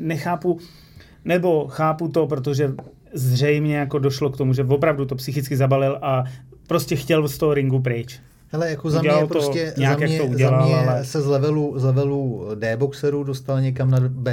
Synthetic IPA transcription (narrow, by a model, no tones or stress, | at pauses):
nɛxaːpu | nɛbo̞xaːput̪o̞pɾo̞t̪o̞ʒɛ | zr̝ɛjmɲɛjako̞do̞ʃlo̞kt̪o̞muʒɛvo̞pɾavdut̪o̞psɪxɪt͡skɪzabalɪlʔapɾo̞scɛxcɛlst̪oɦɾɪŋɡup̬ɾɪt͡ʃ | hɛlɛjakozuadɛlalɾt̪osɛɲɛjakjakt̪ouɟɛlalalɛsɛzlɛvɛluzlɛvɛludɛːboksɛɾudost̪alɲɛkamnabɛ